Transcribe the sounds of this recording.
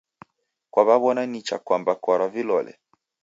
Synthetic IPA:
kwaβaβɔnanit͡ʃa̰kwambakɔɾavilɔlɛ̰

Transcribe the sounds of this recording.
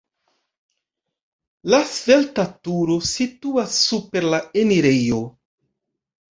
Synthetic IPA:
lasve̞ltatuɾo̞situasːupe̞ɾlaeniɾejo

